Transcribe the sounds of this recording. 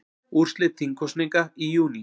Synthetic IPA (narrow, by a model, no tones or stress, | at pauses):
ust͡ɬet̪ʰiŋkosnekahijuːni